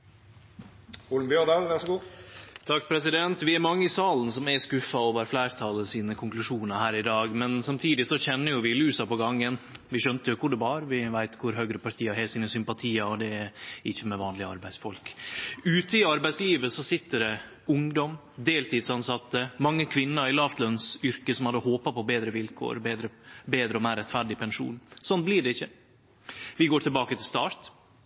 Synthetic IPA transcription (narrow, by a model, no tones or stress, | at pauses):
uːln̩mbjøːd̪ɑlʋæʂɔɡuːt̪ʰɑkːpʰɾɛsɪd̪ɛnt̪ʋɪæɾmɑŋːəɪsɑːln̩sɔmæskʉfːɑɔʋæɾflæɪɾt̪ʰɑːləsiːnəkʰʊŋklʉʂuːnəɾhæːɾɪd̪ɑːɡmɛnsɑmt̪ʰiːd̪ɪsɔçɛnːəɾjʊʋɪlʉːsɑpɔɡɑŋːənʋɪɕœnt̪əjʊkʰʊɖɛʋɑːɾʋɪʋæɪt̪kʰʊɾɦœɡɾəpɑɾʈ̪ʰiːɑɦæsiːnəsʏmpɑt̪ʰiːəɔd̪ɛɛɪçːəmɛʋɑːnlɪəɑ̰ɾbæɪsfɔlkʉːt̪əɪɑɾbæɪsliːʋəsɔsɪt̪ːəɖɛ | ʊŋd̪ɔm | d̪eːlt̪ʰiːd̪sɑnsɑt̪ːəmɑŋːəkʰʋɪnːəɾɪlɑft̪lœnsʏɾkəsɔmhɑd̪ːəɦoːpɑpʰɔbeːd̪ɾəʋɪlkʰo̰ːɾbeːd̪ɾəbeːd̪ɾəɔmæɪɾɛt̪ːfæɖɪpʰɛnʃʂṵːnsɔnblɪɖɛɪçːə | ʋɪɡoːʈʰɪlbɑːkət̪ʰɪlst̪ɑːɾt̪